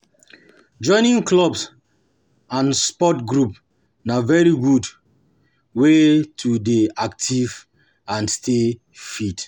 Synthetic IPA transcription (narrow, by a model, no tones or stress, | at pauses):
d͡ʒɔ̃ɪ̃nĩŋklɔbs | ãnspɔtɡɹup | navɛɹiɡud | wetʰudeaktʰiv | ãnstʰe | fit